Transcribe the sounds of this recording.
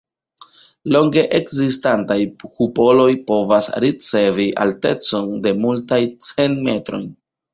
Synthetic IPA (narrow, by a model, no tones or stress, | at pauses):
lo̞ŋɡe̞ʔekzistantajkupo̞lo̞jpo̞vasɾit͡se̞viʔa̰lte̞t͡so̞nde̞multajt͡se̞nme̞tɾo̞̰jn